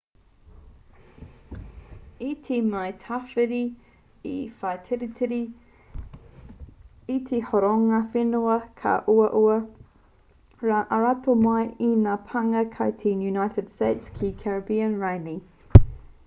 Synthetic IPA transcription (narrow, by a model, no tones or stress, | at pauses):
itʰimajtʰafɪɾi | ḭfajtʰɪɾitʰɾi | itʰihoɾoŋafɪnuɐkʰa̰ʔuɐʔuɐ | aʔaɹatʰomajinapʰaŋɐkʰat̪ʰinjunajtɪd̥stejtskʰikʰɛɹɐbiənɹajni